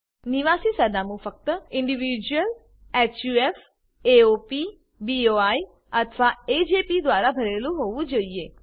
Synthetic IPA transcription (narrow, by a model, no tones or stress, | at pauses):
niʋasisəɾnamũfək̚t̪əɪɳɖiʋid͡ʒuəl | ɛt͡ʃjuef | eopi | bioai | ət̪ʰəʋaed͡ʒepid̪ʋaɾabʱəɾelũɦoʋũd͡ʒoie